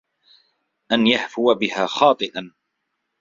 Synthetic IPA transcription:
ʔanjahfʊwabɪhaːxɑːt̪ˤɨʔan

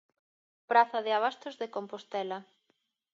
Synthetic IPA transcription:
pɾaθɐðɪaβ̞ast̪ozðekompost̪ɛlɐ

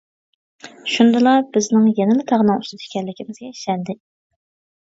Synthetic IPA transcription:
ʃund̪ɨlˠɑb̥ɪznɪŋjɛnɪlɪt̪ʰɑʁnɑŋust̪ɨt̪ʰɪ̥kʲʰɛlːɪkʲʰimɪzɡʲɛiʃɛnd̪ɪ

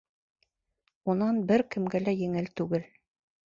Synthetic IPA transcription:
unɑnbɘɾkɘ̆mɡælæjɘ̆ŋɘlt̪ʉɡɘl

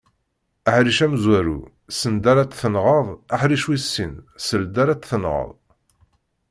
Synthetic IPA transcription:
æħɾiʃæmzwæɾṵ | sənd̪æɾæt͡sθənʁəðˤaħɾiʃwisːḭnsəld̪æɾæt͡s̪θənʁə̰ðˤ

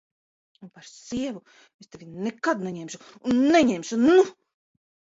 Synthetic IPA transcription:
unpaɾsiɛvu | est̪evʲinɛkad̪nɛɲɛmʃuunːɛɲɛmʲʃunu

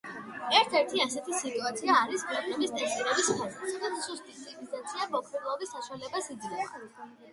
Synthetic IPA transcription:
ɛɾt̪ʰɛɾt̪ʰiasɛt̪ʰisit̪ʼuat̪sʰiaːɾiskʰɛk̪ʼɛmist̪ʼɛst̪ʼiɾɛbispʰazɛsd̪amusust̪ʼipsʰipizat̪sʰiabɔkʰɾilˠɔbisːaʃwalɛbasid̪ɡɛ

